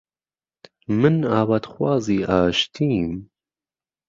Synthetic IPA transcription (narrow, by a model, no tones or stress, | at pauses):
mɨnaːwad̪xwɑːziːʔaːʃt̪ʰiːm